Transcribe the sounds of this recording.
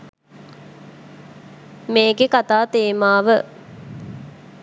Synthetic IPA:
meːɡekat̪aːt̪eːmaːʋə

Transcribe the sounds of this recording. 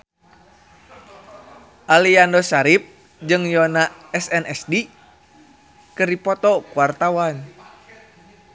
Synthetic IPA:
ʔaliandɔsaɾip̚ | d͡ʒɨŋjɔnaɛsɛnɛsdi | kɨripɔt̪ɔkuart̪awan

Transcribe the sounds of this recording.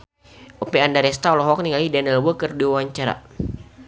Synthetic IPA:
ʔopɛandaɾɛst̪alɔɦɔk̚niŋalidanəlwəkərdiwawaɲt͡ʃaɾa̰

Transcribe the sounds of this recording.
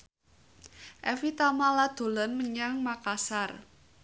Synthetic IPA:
ʔɛfit̪amalad̪̥o̤lɔnməɲaŋmakasar

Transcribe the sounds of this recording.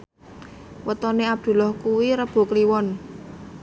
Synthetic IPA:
wət̪ɔneab̚d̪̥ṳlɔhkuwiɾəb̥ṳkliwɔn

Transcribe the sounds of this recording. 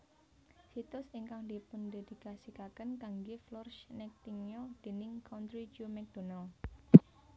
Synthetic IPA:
sit̪ʊsɪŋkaŋd̪ipʊnd̪e̤d̪̥i̤kasikakənkaŋɡeflɔrʃnɛk̚t̪iŋjɔd̪̥e̤nɪŋkʰant̪ɾid͡ʒumɛk̚d̪̥o̤nal

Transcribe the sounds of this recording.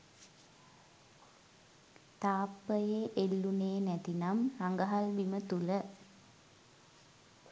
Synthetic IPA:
t̪aːpːəjeʔelːuneːnæt̪inamraŋɡəɦalbimət̪ulə

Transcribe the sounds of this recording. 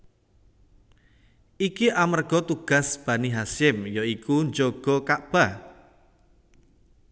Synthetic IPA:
ʔikiʔamərɡ̥ɔ̤t̪uɡ̥a̤sb̥ä̤niɦasɪmjoikuɲd͡ʒoɡ̥ɔ̤kaʔb̥a

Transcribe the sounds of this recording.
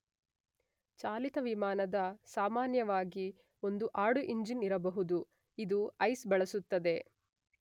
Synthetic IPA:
t͡ʃaːlit̪ɐʋimaːnɐd̪ɐsaːmaːnjɐʋaːɡi | o̞nd̪uʔaːɽuʔiɲd͡ʒiniɾɐbɐɦud̪u | id̪uɐjsbɐɭɐsut̪ːɐd̪e̞

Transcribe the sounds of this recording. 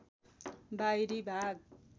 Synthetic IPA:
bajɾibʱaɡ̚

